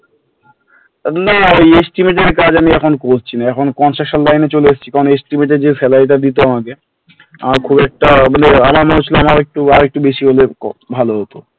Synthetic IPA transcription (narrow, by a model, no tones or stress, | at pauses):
naojesʈimeʈ̬eɾkad͡ʑamiɛkʰonkoɾt͡ɕʰinaɛkʰonkɔnʃakʃanlajnet͡ɕoleest͡ɕʰi̥kaonesʈimeʈed͡ʑefɛlajʈ̬ad̪it̪oamak̬e | a̰makʰubɛk̚ʈamaneamaɾmonet͡ɕʰiloamaɾek̚ʈuaɾek̚ʈubeʃiɦolebʱaloɦot̪o